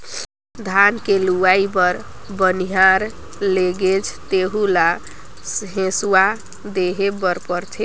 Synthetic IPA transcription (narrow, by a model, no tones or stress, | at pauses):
d̪ʱankeluwaibəɾ | bəniɦaɾ | leɡed͡ʒʰt̪eɦula | sɦẽswa | d̪eɦebəɾpəɾt͡ʃʰi